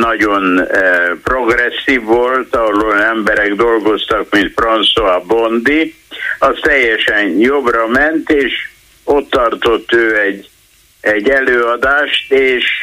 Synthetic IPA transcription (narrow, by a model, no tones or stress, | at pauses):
nɒɟo̞npro̞ɡrɛsːiːvːo̞lt̪ɒoloɛmbɛɾɛɡd̪o̞lɡo̞st̪ɒkmint̪fronsoabond̪i | ɒst̪ɛjːɛʃɛnjo̞brɒmɛnt̪eːʃ | o̞t̪ːɒrt̪ot̪ːøːɛɟː | ɛɟːɛløːɒd̪aːʃt̪eːʃ